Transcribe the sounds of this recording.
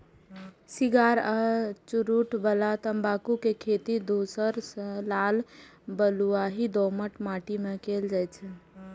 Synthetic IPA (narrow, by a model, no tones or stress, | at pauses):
siɡaɾət͡ʃuɾuʈbəlat̪əmbakukekʰet̪id̪osəɾslalbəluaɦid̪ɔməʈmaʈimekeld͡ʒajt͡ʃʰɛ